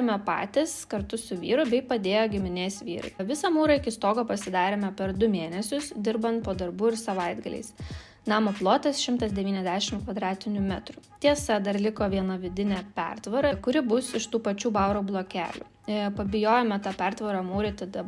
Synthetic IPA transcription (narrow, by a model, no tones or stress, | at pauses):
mʲɛpɑ̰ːt̪ʲɪskɐɾt̪ʊsʊʋʲiːɾʊbʲɛɪpɐd̪ʲeːjoːɡʲɪmʲɪnʲeːsʋʲḭːɾɐ̰ɪʋʲɪsɐmuːɾɐɪkʲɪst̪oːɡoːpɐsʲɪd̪ɑːɾʲeːmʲɛpʲɛɾd̪ʊmʲeːnʲɛsʲʊsd̪ʲɪɾbɐnt̪̚poːd̪ɐɾbuːɪɾsɐʋɐɪd̪ɡɐlʲɛ̰ɪs | nɑːmoplˠoːt̪ɐsʃʲɪmt̪ɐsd̪ʲɛʋʲiːnʲɛzʲd̪ʲæːʃʲɪmkʋɐd̪ɾɑːt̪ʲɪnʲʊmʲæt̪ɾʊt̪ʲiɛsɐd̪ɐɾlʲɪkoːʋʲiɛnɐʋʲɪd̪ʲɪnʲæːpʲɛ̰ɾt̪ʋɐɾɐkʊɾʲɪbʊsɪʃt̪uːpɐt͡ʃʲuːbɐʊɾoːblˠoːkʲæ̰ːlʲʊ̰ | pɐbʲɪjoːjɛːmʲɛt̪ɑpʲɛɾt̪ʋɐɾɑmuːɾʲɪt̪ɐd̪ɐ